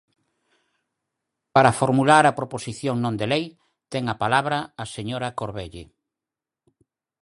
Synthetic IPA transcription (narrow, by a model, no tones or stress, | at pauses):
paɾafoɾmulaɾɐpɾoposiθjoŋnõnd̪elej | t̪ɛŋɐpalaβɾɐːseɲoɾɐkoɾβeʎḛ